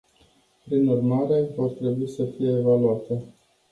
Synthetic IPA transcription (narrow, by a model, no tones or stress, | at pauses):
pɾinurmaɾe̞vo̞rt̪ɾe̞buisəfije̞ːvaluat̪e̞